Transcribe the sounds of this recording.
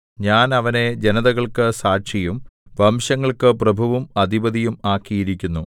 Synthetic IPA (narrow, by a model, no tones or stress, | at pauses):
ɲaːnɐʋɐne̞d͡ʑenɐðɐɣɐɭkɨsaːɕɐjumʋɐmɕɐŋːɐɭkɨprɐbʱɐʋumɐd̪ʱibɐðijumaːkːijiɾikʲːunːu